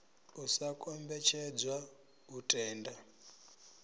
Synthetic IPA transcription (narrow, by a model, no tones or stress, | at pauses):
usakʼɔmbɛt͡ʃʰɛd͡zwa | utʼɛːnda